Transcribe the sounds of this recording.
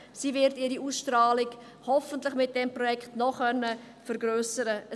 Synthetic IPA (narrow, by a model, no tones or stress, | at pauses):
siːvɪɾtiːɾiuːsʃtɾaːlɪɡ | hɔfəntləχmɪt̚d̥ɛmpɾɔjɛkχtnɔχœnːə | fəɾɡɾøːsəɾəə